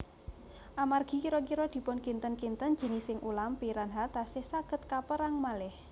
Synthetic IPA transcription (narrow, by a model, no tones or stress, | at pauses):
ʔamarɡ̥i̤kiɾɔkiɾɔd̪̥i̤pʊnkint̪ənkint̪ən̥ʒ̥ə̤nɪsɪŋʔulampiɾanɦat̪asɪhsaɡ̥ə̤t̪̚kapəɾaŋmalɪh